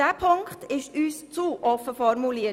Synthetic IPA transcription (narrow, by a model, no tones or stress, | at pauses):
æːpʰʊŋkt̪ɪʃyːst͡suʔɔfəfɔɾmʊliː